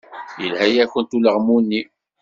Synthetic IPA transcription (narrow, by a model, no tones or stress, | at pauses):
jəlhæjæçənt̪uləʁmunːi